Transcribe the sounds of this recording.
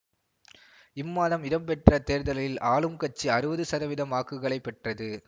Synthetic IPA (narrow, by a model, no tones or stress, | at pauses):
ɪmːaːðɐmɪðɐmpɛʈrɐt̪eːɾðɐlɐjɪlʔaːlɯmkɐt͡ʃːiɐɾɯʋɐðɯsɐðɐʋɪðɐmaːkːɯɣɐɭɐɪpːɛʈrɐðɯ